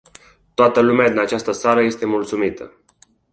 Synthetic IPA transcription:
t̪oat̪əlumead̪inat͡ʃast̪əsaɾəje̞st̪e̞mult̪sumit̪ə̰

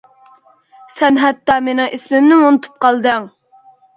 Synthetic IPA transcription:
sɛnɦɛt̪ːɑːmenɪŋʔesmɪmnɪmonɨt̪ʰu̥p̚qʰɑlˠd̪ɨŋ

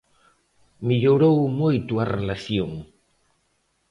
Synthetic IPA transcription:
miʎoɾowmojt̪uarelaθjoŋ

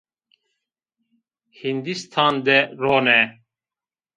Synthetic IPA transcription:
hind̪ist̪ʰaːnd̪ɛɾoːnɛ

